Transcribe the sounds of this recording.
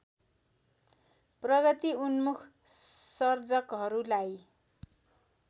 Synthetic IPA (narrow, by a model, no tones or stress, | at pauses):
prʌɡʌt̪iunmukʰ | sʌrd͡zʌkɦʌɾulaj